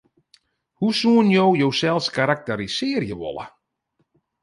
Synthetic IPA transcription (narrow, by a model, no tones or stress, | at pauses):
husuənjowjowsɛlˠskaɾak̚təɾisɪərjəʋɔ̰lə̰